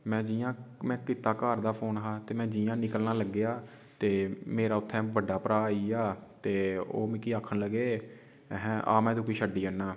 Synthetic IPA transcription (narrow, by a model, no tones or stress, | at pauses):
mɛ̃ːd͡ʒiːjãːmɛ̃ːkɪt̪aːkaːɾd̪aːpʰoːnɦaːt̪eːmɛ̃ːd͡ʒiːãːnɪkəlnaːləɡːeaː | t̪eːmeːɾaːʊt̪ʰːɛ̃ːʋəɖːaːpəɾaːiːaːt̪eːo̰ːmɪkiːaːkʰənləɡeː | ɦɛ̃ːʔa̰ːmɛ̃ːd̪ũːkiːʃəɖːiːənːaː